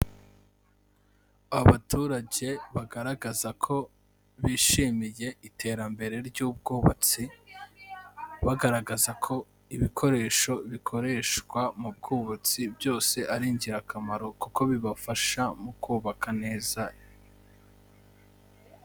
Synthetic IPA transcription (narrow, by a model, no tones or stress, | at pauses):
βatuːɾaɟe̞βaɡaɾaɡazakʰo̞ | βiːʃiːmije̞itʰe̞ːɾambe̞ɾe̞ɾɟuːb̚ɡuːβat͡si | βaɡaɾaɡazakʰo̞ | iβikʰo̞ɾe̞ːʃo̞βikʰo̞ɾe̞ːʃkwamub̚ɡuːβat͡sibjo̞ːse̞ʔaɾiːɲɟiɾakʰamaɾo̞kuko̞βiβafaʃamukuːβakʰane̞ːza